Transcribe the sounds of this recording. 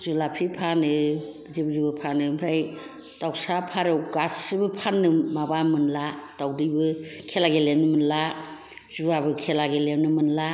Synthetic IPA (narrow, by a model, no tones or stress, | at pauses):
zulapʰipʰanɯ | zibzibɯpʰanɯmɾaj | tawsapʰaɾewkasɯbɯpʰanːɯmabamɯnlatawdɯjbɯkʰelaɡelenɯmɯnla | z̥uabɯkʰelaɡelemnɯmɯnla